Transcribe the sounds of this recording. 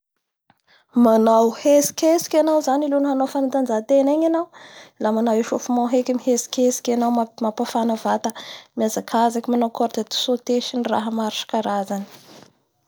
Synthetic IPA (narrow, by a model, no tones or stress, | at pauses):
manawhesi̥kʲesi̥kʲanawzanilunɦanawfanant̪and͡zat̪eneɲanawlamanaweʃofumawɦekʲimiɦesi̥kʲesi̥kʲanawmamapafanavat̪əmiazakʰazakʲimanawkɔɾt̪et̪i̥sot̪eʃinira̰ɦəmaɾʃḁkaɾazani̥